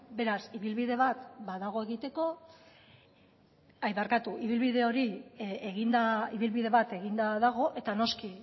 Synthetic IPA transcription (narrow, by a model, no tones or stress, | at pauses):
be̞ɾasiβilβiðe̞βat̪baðaɣ̞o̞e̞ɣit̪e̞ko̞ | ajβaɾkat̪uʔiβ̞ilβiðe̞o̞ɾieɣind̪aiβilβiðe̞βat̪e̞ɣ̞ind̪aðaɣ̞o̞ʔe̞t̪ano̞ski